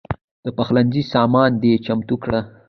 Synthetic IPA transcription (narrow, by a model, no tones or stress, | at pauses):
d̪̥əpaxlanzisɑːmɑːnd̪et͡ʃamt̪ukɽa